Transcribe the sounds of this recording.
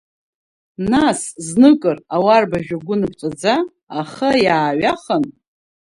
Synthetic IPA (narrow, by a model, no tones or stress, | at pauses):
nasznɨkʼɨrawarbaʒᶣaɡʷʊnɨpʰʼt͡sʼad͡zaː | χajaːɥaχən